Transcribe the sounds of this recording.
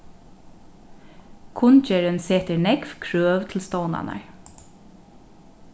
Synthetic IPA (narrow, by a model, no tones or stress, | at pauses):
kʰʊnt͡ʃɛɹənseːt̪əɹnɛɡfkʰɾøːʋt̪ʰɪlst̪oːna̰na̰ɹ